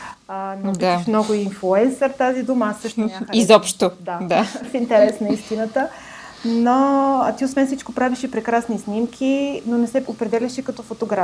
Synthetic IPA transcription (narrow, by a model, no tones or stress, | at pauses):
ənvaʃmnɔɡʊinflˠuɛnsəɾt̪azid̪uməasːɤʃt̪izɔpʃt̪od̪ad̪afint̪ɛɾɛsnɐist̪inət̪ə | noət̪iosvɛnfsit͡ʃkopɾaviʃipɾɛkɾasnisnimkʰinonɛsɛopɾɛd̪ɛlʲɐʃikɐt̪ɔfot̪oɡɾa